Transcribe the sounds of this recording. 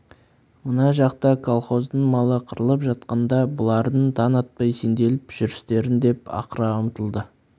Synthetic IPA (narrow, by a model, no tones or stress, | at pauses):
mʊnɑʒɑqt̪ɑkʰolˠχo̞zd̪əɴmɑlˠəqʰəɾəlˠəpʒɑt̪qɑnd̪ɑbʊlˠɑɾd̪əɴt̪ʰɑnɑt̪̚pɑjsend̪e̞lɪpʒ̥ʏɾɪst̪e̞ɾɪnd̪e̞pɑ̰qəɾɑʊmt̪əlˠd̪ə